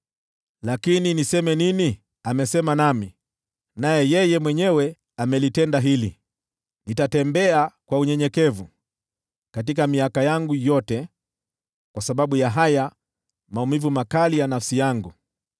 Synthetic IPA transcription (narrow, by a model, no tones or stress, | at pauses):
lakininisɛmɛnini | amɛsɛmanami | najɛjɛjɛmwɛɲɛwɛ | amɛlitɛndaɦili | nitatɛmbɛakwauɲɛɲɛkɛvu | kat̬ikamiakajaŋɡujɔtɛ | kwasaɓaɓujaɦaja | maumivumakalijanafsijaŋɡu